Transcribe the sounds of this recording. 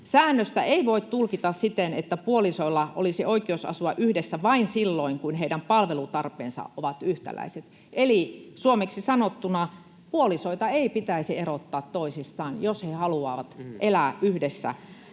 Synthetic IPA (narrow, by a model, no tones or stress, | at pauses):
sæːnːøst̪æeiʋoit̪t̪ulkit̪ɑssit̪enet̪ːæpuolisoilːɑʔo̰lisioikˑeousɑ̰suɑʔyhdesːæʋɑinsilːoiŋkunheidæmpɑlʋelut̪ɑrpˑḛːnsɑ̰ʔoʋɑt̪yht̪æ̰læ̰iset̪ | ʔelisuomeksisɑnot̪ːunɑ | puolisoit̪ɑeipit̪æisierot̪ːɑːt̪toisist̪ɑːnjoshehɑluɑ̰ːʋɑt̪ʔelæˑʔyhdesːæ̰